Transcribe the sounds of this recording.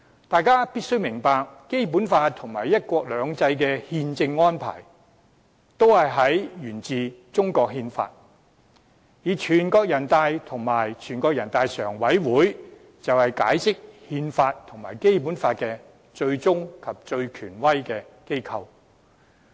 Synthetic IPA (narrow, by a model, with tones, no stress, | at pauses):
t̪aː˨jkaː˥piː˥t̚sɵ˥ɥmɪ˨˩ŋpaː˨˧k̚ke˥jp̬u˨˥nfaː˧t̚t̪ʰʊ˨˩ŋmaː˨˩jɐ˥t̚kʷɔː˧k̚lœː˨˧ŋt͡sɐ˧jkɛː˧hiː˧nt͡sɪ˧ŋːɔː˥npʰa̰ː˨˩j | t̪o˥whɐ˨jɦɐ˨˥jjyː˨˩nt͡siː˨t͡sʊ˥ŋkɔː˧k̚ɦiː˧nfa̰ː˧t̚ | jiː˨t͡ʃʰyː˨˩nkɔː˧k̚jɐ˨˩nt̪aː˧jt̪ʰʊ˨˩ŋmaː˨˩jt͡ʃʰyː˨˩nkɔː˧k̚jɐ˨˩nt̪aː˨jsœ̰ː˨˩ŋwɐ˨˥jwuː˨˥j | t͡sɐ˨whɐ˨jka̰ː˨˥jsɪ˥k̚hiː˧nfaː˧tt̪ʰʊ˨˩ŋma̰ː˨˩jke˥jp̬uː˨˥nfaː˧t̚kɛ˧ | t͡ʃɵ˧ɥt͡sʊ˥ŋkʰɐ˨p̚t͡ʃɵ˧ɥkʰyː˨˩nwɐ˥jkɛː˧ke˥jkʰɐ˧w